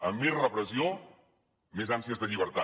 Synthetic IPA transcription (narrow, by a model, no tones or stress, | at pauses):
əmːezrəpɾəzio | mezansiəzðəʎiβ̞əɾt̪a